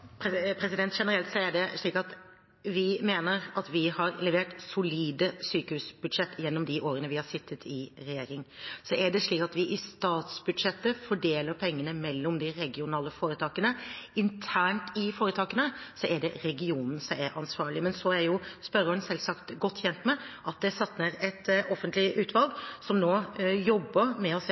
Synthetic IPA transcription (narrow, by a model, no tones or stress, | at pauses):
pʰɛpʰɾɛsɪd̪ɛnt̪ʂɛnəɾɛlt̪sɔɛɖɛʂɭiːkɑt̪ | ʋɪmeːnəɾɑt̪ʋɪhɑɾlɛʋeːʈsʊliːd̪əsyːkəhʉsb̥ʉd̪ʂɛt̪ːjɛnːɔmd̪ɪʔoːɾənəʋɪhɑsɪt̪ʰːət̪ʰɪɾɛjeːɾɪŋsɔɛɖɛʂɭiːkɑt̪ʋɪʔɪst̪ɑːt̪sbʉd̪ʂɛt̪ːəfɔɖeːləɾpʰɛŋːənəmɛlːɔmd̪ɪɾɛɡɪʊnɑːləfoːɾət̪ʰɑːkənəɪnt̪ʰæːɳʈɪfoːɾət̪ʰɑːkənəsɔʔɛɖɛɾɛɡɪuːnn̩sɔmɛɾʔɑnsʋɑːɭɪmɛnsɔæɾjʊspœɾəʉnsɛlsɑkt̪ɡɔt̪ːçɛnt̪mɛʔɑt̪̚d̪ɛsɑt̪nəɾɛt̪ɔfənt̪lɪʔʉːt̪ʰʋɑlɡ̪sɔmnoːjɔbːəɾmɛɔs